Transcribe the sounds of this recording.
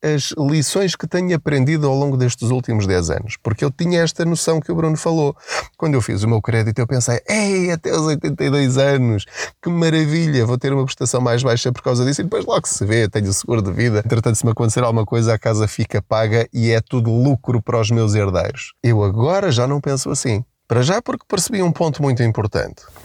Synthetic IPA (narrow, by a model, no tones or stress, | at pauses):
ɐʒlˠisõj̃ʃkɨt̪ɐɲuɐpɾẽnd̪iðuawlˠõŋɡuðeʃt̪ɨzulˠt̪imuʒðɛzɐ̰nuʃpuɾkewt̪iɲɐɛʃt̪ɐnusɐ̃w̃kɨuβɾunufɐlˠokwɐ̃nd̪ewfḭzumewkɾɛðit̪uewpẽsɐjɛɐt̪ɛuzojt̪ẽnt̪ɐiðojzɐnuʃkɨmɐɾɐviʎɐvowt̪eɾumɐpɾɨʃt̪ɐsɐ̃w̃majʒβajʃɐpɔɾkawzɐðisuiðɨpojʒðlˠɔɣsɨvet̪ɐ̃ɲusɨɣuɾuðɨviðɐẽnt̪ɾɨt̪ɐ̃nt̪smɐkõnt̪seɾalˠɣumɐkojzɐakazɐfikɐpaɣɐʔiɛt̪uðulˠukɾupɐɾɔʒmewzeɾðḛjɾuʃewɐɣɔɾɐʒanɐ̃w̃pẽsuɐsĩ | pɐɾɐʒapuɾkpɨɾsβiũpõnt̪umũj̃t̪̬uĩmpuɾt̪ɐ̰̃nt̪